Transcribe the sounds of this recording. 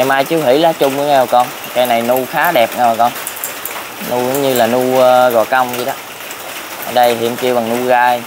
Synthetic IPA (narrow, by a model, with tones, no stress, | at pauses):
ɛ˨maː˧jt͡ɕɨ˨˧˦ɦḭ˧˩laː˨˦t͡ɕʊ˧ŋ͡mɨ˨˦ŋɛ˧˩wkɔ˧n | kaː˧jna˨˩jnu˧xaː˨˦ɗɛ˨˩p̚ŋa˧˩˨kɔ˧n | nu˧zʊ˨˦ŋ͡mɲɨ˧laː˨˩nuː˧ɣɔ̰˨˩ka˧wŋ͡mzi˧ɗɔ˨˦ | ʔəː˧˩ɗə˧jɦḭ˧˨əmki˧əwɓa˨˩ŋnu˧ɣaː˧j